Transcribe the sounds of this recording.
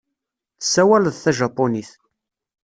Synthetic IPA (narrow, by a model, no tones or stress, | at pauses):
θəsːæwælðθæʒɑpːoniθ